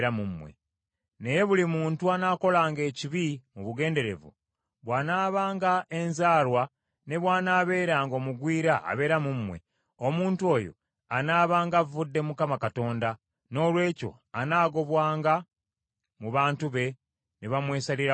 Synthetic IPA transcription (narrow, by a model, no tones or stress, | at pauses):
ɾamumwḛ | ne̞je̞βulimuːntuanaːko̞laːŋɡe̞ːciβimuβuɡe̞ːnde̞ɾe̞̰vṵ | βwaːnaːβaːŋɡaʔe̞nzaːɾwa | ne̞βwaːnaːβe̞ːɾaːŋɡo̞ːmuɡwiːɾaʔa̰βe̞ːɾamumːwe̞̰ | omuːntuo̞ːjo̞̰ | anaːβaːŋɡavvudːe̞mukamakato̞ːnda | no̞ːlwe̞ːco̞̰ | anaːɡo̞βwaːŋɡa | muβaːntuβe̞ | neβamwe̞ːsaliɾa